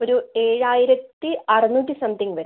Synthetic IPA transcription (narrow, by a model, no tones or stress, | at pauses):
oɾue̞ːɻaːjiɾɐt̪ːiɐrɨnuːtʲːisɐmt̪iŋɡʋɐɾ